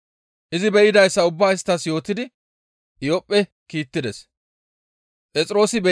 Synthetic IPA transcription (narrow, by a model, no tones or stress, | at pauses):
ʔɪzɪbɛʔɪd̪ɐjsːɐʊbːaːɪst̪ːɐsjo̞ːt̪ɪd̪ɪ | jɔpʼːɛ | kiːt̪ːɪd̪ɛs | pʼɛt͡sʼɪɾo̞ːsɪbɛ